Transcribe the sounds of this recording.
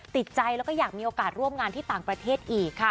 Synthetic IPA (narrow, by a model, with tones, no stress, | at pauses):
t̪i˨˩t̪̚t͡ɕa˧jlɛː˦˥wkɔː˥˩jaː˨˩k̚miː˧ʔoː˧kaː˨˩t̪̚ɾu˥˩əmŋaː˧nt̪ʰiː˥˩t̪aː˨˩ŋpɾa˧t̪ʰeː˥˩t̪̚ʔiː˨˩kʰːa˥˩